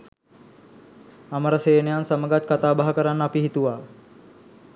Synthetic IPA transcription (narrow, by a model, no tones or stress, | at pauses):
ɐməɾəseːnejansəməɡat̪̚kat̪aːbaɦəkəɾanːəːpiɦit̪uʋaː